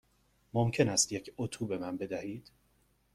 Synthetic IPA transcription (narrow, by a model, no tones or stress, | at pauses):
momcʰe̞næst̪jecʰot̪ʰube̞mænbe̞d̪æhiːd̪̥